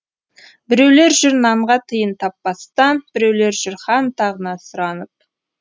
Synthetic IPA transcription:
bɪɾe̞wle̞ɾʒʏɾnɑɴʁɑt̪ʰəjənt̪ʰɑpːɑst̪ɑnb̥ɪɾe̞wle̞ɾʒʏɾχɑnt̪ʰɑʁənɑsʊɾɑnəp̚

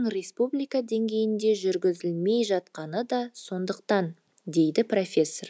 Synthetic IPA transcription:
ɴɾʲe̞spublijkad̪e̞ŋɡʲe̞jɪnd̪e̞ʒʏɾɡʲɪzɪlme̞jʒɑt̪qɑnəd̪ɑso̞nd̪əqt̪ɑn | d̪e̞jd̪ɪpro̞fʲe̞sːo̞r

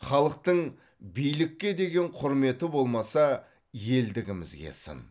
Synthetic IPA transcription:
χɑlˠəq̚t̪əɴ | bijlɪkʲːe̞d̪e̞ɡʲe̞ɴqʰʊɾme̞t̪ɪbo̞lˠmɑsɑ | je̞ld̪ɪɡʲɪmɪzɡʲḛsə̰n

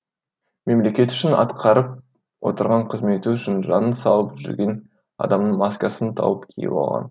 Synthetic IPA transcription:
me̞mle̞kʲe̞t̪ʏ̥ʃɪnɑ̰t̪qʰɑɾəp̚ | wo̞̰t̪əɾʁɑɴqʰəzme̞t̪ɪʏʃɪnʒɑnənsɑlˠəpʒʏ̰ɾɡʲe̞n | ɑ̰d̪ɑmnəɴmɑskɑsənt̪ʰɑ̰wəpkʲʰḭjɪ̰bɑ̰lˠʁɑ̰n

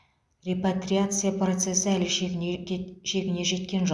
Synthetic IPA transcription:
rʲepat̪rʲiat̪sɨjapro̞t̪se̞sɪælɪ | ʃe̞ɡʲɪne̞ʒe̞t̪kʲe̞nʒo

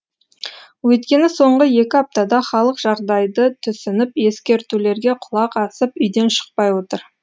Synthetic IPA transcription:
wɵt̪kʲe̞nɪso̞ɴʁəje̞kʲɪɑp̚t̪ɑd̪ɑχɑlˠəqʒ̥ɑɾd̪ɑjd̪ət̪ʰʏsɪnɪpje̞skʲe̞ɾt̪ule̞ɾɡʲe̞qʰʊlˠɑqɑsəpʏjd̪e̞nʃə̥q̚pɑjwo̞t̪əɾ

